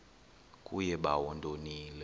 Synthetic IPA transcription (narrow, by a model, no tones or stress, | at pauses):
kʼujɛɓa̰wɔndʱʼoniːlɛ